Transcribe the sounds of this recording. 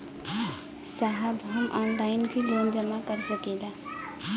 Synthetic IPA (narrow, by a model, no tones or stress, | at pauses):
saɦabʱɦəmʔɔnlainbʰʱilond͡ʒəmakəɾsəkɛla